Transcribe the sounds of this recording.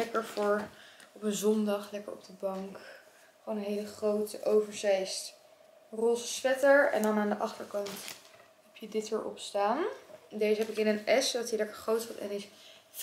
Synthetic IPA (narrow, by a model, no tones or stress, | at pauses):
ɛkəɹvʊːɹɔpənzɔndɑχlɛkəɹɔ̰b̚dəbɑŋk | χownənɦejləχrowtəʔowvəɹzɛjst | roːsəsfɛtəɹɛ̰ndɑnaːndəʔɑχtəɹkɑnt | ɦɛpjədɪtʋɪːɹʔɔ̰pstaːndejzəɦɛpɪkɪnənɛsdɑtilɛkəɹχrowtsɔtɛ̰nɪs